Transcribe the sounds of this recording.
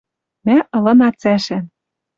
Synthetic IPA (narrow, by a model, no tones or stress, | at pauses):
mæʔɤ̆lɤ̆nɑt͡sæʃæ